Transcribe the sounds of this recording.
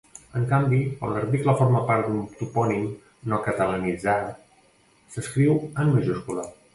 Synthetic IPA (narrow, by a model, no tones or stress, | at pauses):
əŋkambikə̰nləɾt̪ikləfoɾməpaɾt̪d̪unt̪upɔnim | nokət̪ələnid͡za | səskɾiwənməʒuskulə